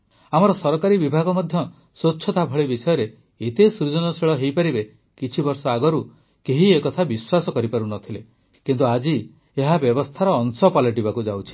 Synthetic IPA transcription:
amɔɾɔsɔɾɔkaɾibibʱaɡɔmɔd̪ʱjɔ | soːt͡ʃʰɔt̪abʱɔɭebisɔjɔɾe | et̪esɾud͡ʒɔnɔseɭɔɦejpaɾibe | kit͡ʃʰibɔɾsɔaɡɔɾu | keɦiekɔt̪ʰabiswasɔkɔɾipaɾunɔt̪ʰile | kint̪uad͡ʒi | eɦabjɔbɔst̪ʰaɾɔːŋsɔpalɔʈ̬ibakud͡ʒawt͡ʃʰi̥

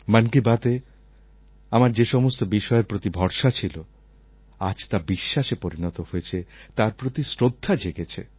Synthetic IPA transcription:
mankibat̪e | amaɾd͡ʑeʃɔmost̪obiʃɔeɾpɾot̪ibʱɔɾʃat͡ɕʰilo | a̰d͡ʑt̪abiʃːaʃepoɾinɔt̪ohojet͡ɕʰet̪aɾpɾot̪isɾod̪ʱːad͡ʑeɡet͡ɕʰḛ

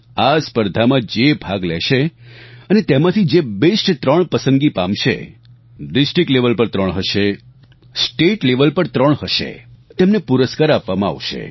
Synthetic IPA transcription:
aspəɾd̪ʱamãd͡ʒebʱaɡlɛʃeənet̪emãt̪ʰid͡ʒebesʈt̪ɾəɳpəsəndɡipamʃḛ | ɖɪsʈɾɪk̚ʈleʋəlpəɾt̪ɾəɳɦəʃe | sʈeʈleʋəlpəɾt̪ɾəɳ̃ɦəʃḛt̪emnepuɾəskaɾapʋamãa̰ʋʃḛ

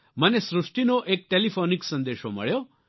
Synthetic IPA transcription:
mənesɾʊʂʈinoʔek̚ʈelifʰoniksə̃nd̪eʃo̰mə̰ɭjo

